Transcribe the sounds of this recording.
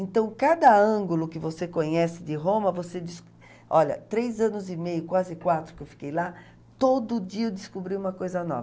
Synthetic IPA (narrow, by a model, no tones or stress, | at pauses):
ẽnt̪ɐ̃w̃kad̪ɐɐ̃ɡʊlʊkɪvosekõɲɛsɪd̪ɪɦõmɐvosed̪ɪs | ɔʎɐ̰t̪ɾejzɐ̃nʊzɪmejʊkwazɪkwat̪ɾʊkɪewfi̥kejla | t̪od̪ʊd͡ʒiɐewd̪ɪskubɾiũmɐkojzɐnɔ̰vɐ